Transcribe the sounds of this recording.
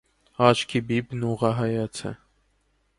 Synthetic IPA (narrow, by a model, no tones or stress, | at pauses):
ɑt͡ʃʰkʰibibnuʁɑɦɑjɑt͡sʰɛ̰